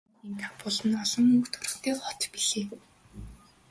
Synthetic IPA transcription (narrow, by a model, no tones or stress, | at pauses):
iːŋkʰapʊɮə̆nɔɮɞ̆ŋukt̪ʰʊrə̥̆χt̪eːχɔt̪piɮeː